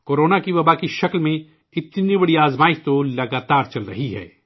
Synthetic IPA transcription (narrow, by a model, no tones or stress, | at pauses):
koːɾoːnakiʋɐbaːkiʃɐklmẽ | ɪt̪nibɐɽiaːzmaːɪʃt̪olɐɡaːt̪aːɾt͡ʃɐlɾɐɦiɦɛ̰ː